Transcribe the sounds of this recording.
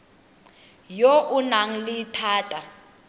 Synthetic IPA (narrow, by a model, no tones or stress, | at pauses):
joʔunaŋ̩litʰaːtʼa